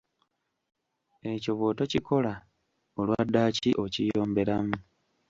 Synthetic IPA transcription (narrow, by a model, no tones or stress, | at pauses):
e̞co̞βwo̞ːto̞cikʰo̞la | olwadːaːciʔo̞cijo̞ːmbe̞ɾamu